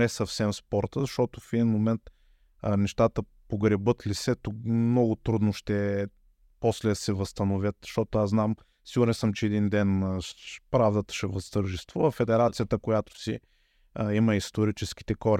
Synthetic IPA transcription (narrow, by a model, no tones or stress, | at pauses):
ɛsəfsɛmspɔɾt̪əzɐʃt̪ɔt̪ofɛd̪inmomɛnt̪ | nɛʃt̪at̪ə | poɡɾɛbɤt̪lisɛt̪ʊmnɔɡʊt̪ɾud̪noʃt̪ɛ | poslɛsɛvɐst̪ɐnovʲjət̪ʃt̪ɔt̪oaznam | siɡʊɾɛnsəmt͡ʃɛɛd̪ind̪ɛn | pɾavd̪ət̪ə̥ʃɛvɐst̪əɾʒist̪vuvɐfɛd̪ɛɾat̪sijət̪əkojat̪o̥si | iməist̪oɾit͡ʃɛsk̟i̥t̪ɛkɔɾ